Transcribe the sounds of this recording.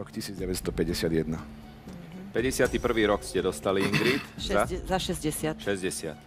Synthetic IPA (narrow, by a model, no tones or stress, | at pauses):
ɔkcisiːd͡zɟɛʋɛcst̪ɔpɛɟɛsɪad̪jɛd̪na | pɛɟɛsɪat̪iːpr̩ʋiːɾɔkscɛd̪ɔst̪aliiŋɡɾiːt̪zazaʃɛzɟɛsɪaʃɛzɟɛsɪa̰t̪